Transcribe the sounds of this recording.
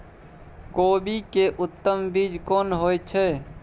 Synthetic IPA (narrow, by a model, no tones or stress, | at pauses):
koːbikeʔʊt̪ːəmbid͡ʒkonɦojt͡ʃʰɛ